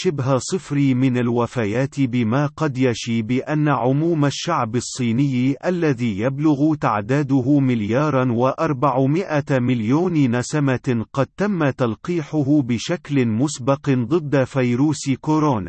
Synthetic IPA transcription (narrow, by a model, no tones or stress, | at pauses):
ʃɪbɦasˤɨfɾiːmɪnalwafajaːt̪ɪbɪmaːqɑd̪jaʃiːbɪʔanːaʕʊmuːmaʃːaʕbɑsˤːiːnɪjːʔalːaðiːjablʊɣʊt̪aʕd̪aːd̪ʊhʊmɪljɑːɾˤɑnwaʔɑɾˤbaʕʊmɪʔamɪljoːnnasamaqɑd̪̚t̪amːat̪alqiːħʊɦʊbɪʃaklɪmʊsbɑqd̪ˤɨd̪ːafajɾuːskʊɾoːna̰